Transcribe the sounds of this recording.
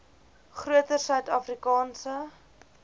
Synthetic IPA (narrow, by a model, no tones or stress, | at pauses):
χruətərsœɥtɑːfrikɑːnsə